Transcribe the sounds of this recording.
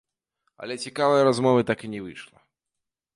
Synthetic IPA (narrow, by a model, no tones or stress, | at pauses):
ɐ̰lʲɛt͡sʲɛkavɐjɐɾazmɔvɨt̪akɨnʲɛvɨʂlˠɐ